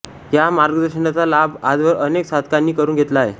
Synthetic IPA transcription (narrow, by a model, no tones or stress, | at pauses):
jamaɾɡəd̪əɾɕənat͡salabad͡zʋəɾəneksad̪̚ʱkanːiːkəɾuːnɡʱet̪laḛ